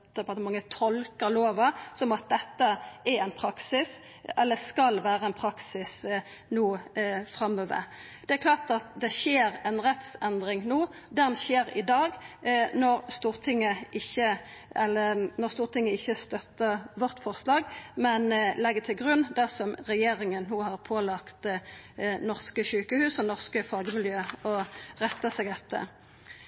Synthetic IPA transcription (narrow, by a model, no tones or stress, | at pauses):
d̪ɛɑt̪ːmɑŋːət̪ʰɔlkəɾloːʋɑsɔmɑt̪̚d̪ɛt̪ːəæɾæɪnpʰɾɑksɪs | ɛlːəskɑlʋæːʁəɛnpʰɾɑksɪs | nuːfɾɑmːøːʋə̰ɾ | d̪̥ɛæɾkʰlɑːʁt̪ɑt̪̚d̪ɛʃeːɾɛnʁɛt̪sɛnd̪ʁɪŋnuː | d̪ɛnɕeːɾɪd̪ɑːɡnɔʁst̪uːʁt̪ʰɪŋːəʔɪçːəɛlːənɔʁst̪uːʁt̪ʰɪŋːəɪçːəst̪œt̪ːəʁʋɔʁt̪fɔʁslɑːɡmɛnlɛɡət̪ʰɪlɡʁʉnːd̪æʁsɔmɾɛjeːɾɪŋənːuːhɑʁpʰoːlɑkt̪ | nɔʁskəʃʉːkəhʉːsɔnɔʁskəfɑːɡmɪljøːɔʁɛt̪ːəsɛɡ̪ɛt̪ːə̰